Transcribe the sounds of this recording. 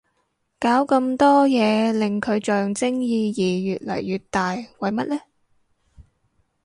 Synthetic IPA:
kaː˨˥wkɐ˧mt̪ɔː˥jɛː˨˧lɪ˨ŋkʰɵ˨˧ɥt͡ʃœː˨ŋt͡sɪ˥ŋjiː˨˧jiː˨˩jyː˨t̚lɐ̰˨˩jːyː˨˧t̚t̪aː˨jwɐ˨˧jmɐ˥t̚lɛː˥

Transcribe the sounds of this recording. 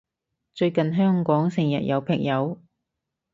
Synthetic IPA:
t͡ʃɵ˧ɥkɐ˨nɦœː˥ŋkɔː˨˥ŋsɪ˨˩ŋjɐ̰˨t̚jɐ˨˧wpʰɪ˨˩ŋjɐ˨˧w

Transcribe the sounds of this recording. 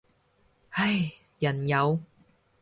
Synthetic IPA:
hɐ˥j | jɐ˨˩njɐ˨˧w

